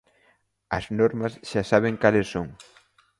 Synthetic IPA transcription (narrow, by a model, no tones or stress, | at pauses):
ɐznoɾmɐsʃasaβ̞eŋkalesːoŋ